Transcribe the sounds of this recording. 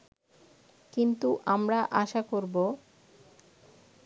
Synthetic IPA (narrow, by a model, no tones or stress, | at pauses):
kint̪uʔamɾaʔaʃakoɾbo